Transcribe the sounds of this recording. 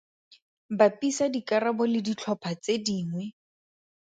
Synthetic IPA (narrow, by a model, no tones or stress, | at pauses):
bapʼisadikaɾabɔlɪdit͡ɬʰɔpʰat͡sediːŋwɛ